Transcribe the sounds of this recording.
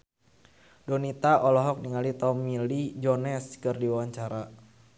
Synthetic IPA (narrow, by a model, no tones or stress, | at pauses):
donit̪aʔɔlɔɦɔk̚niŋalit̪ɔmilid͡ʒɔnɛskɨrdiwawaɲt͡ʃaɾa